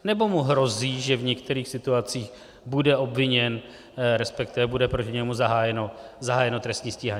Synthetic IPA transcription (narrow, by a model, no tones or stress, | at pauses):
nɛbo̞muɦɾo̞ziːʒɛvɲɛkt̪ɛɾiːxsɪt̪uat͡siːx | budɛo̞bvɪɲɛn | ɾɛspɛkt̪ɪvɛbudɛpɾocɪɲɛmuzaɦaːjɛnozaɦaːjɛno̞t̪ɾɛst̪ɲiːsciːɦaɲː